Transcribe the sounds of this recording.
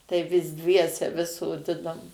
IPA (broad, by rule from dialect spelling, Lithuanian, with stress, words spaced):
tɐɪ ʋʲɪs ˈdʲʋʲiɛsʲɛ ʋʲɪs soːˈdʲɪnoːm